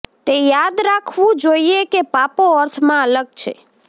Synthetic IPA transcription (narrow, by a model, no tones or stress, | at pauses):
t̪ejad̪ɾakʰʋũd͡ʒoiekepapoəɾt̪ʰmãələɡ̚t͡ʃʰḛ